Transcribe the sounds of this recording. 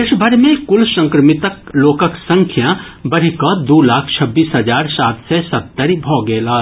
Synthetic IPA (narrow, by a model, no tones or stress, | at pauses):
ɪʃbʱəɾmẽkʊlsə̃ŋkɾəmɪt̪əkloːkəksə̃ŋkʰjã | bɐɾ̤ikɔd̪uːlaːkʰt͡ʃʰɐbːiːsɦəd͡ʒaːɾsaːt̪ʰsesɐt̪ːəɾibʱɔːɡeːlaː